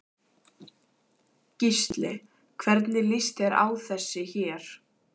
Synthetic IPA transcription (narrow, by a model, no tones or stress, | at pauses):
cist̪lɪ | kʰvɛɾt̪nɪlist̪ɛɾa̰ːwθɛsːɪçɛːɾ̥